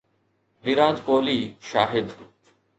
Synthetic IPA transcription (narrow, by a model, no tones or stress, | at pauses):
niːɾãːd͡ʒkoːliːʃa̰ːɦɪd̪